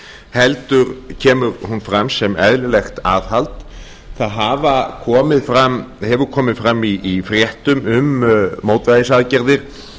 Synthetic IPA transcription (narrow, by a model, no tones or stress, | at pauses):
hɛlt̪ʏɾcʰɛːmʏɾhunfɾamsɛmɛðlɪlɛxt̪a̰ːðhalt̪ | θaðɦaːvakʰɔːmɪðfɾamhɛvʏɾkʰɔːmɪðfɾamːiːfɾjɛht̪ʏmʏmmowt̪vaðɪsaðcɛɾðɪɾ̥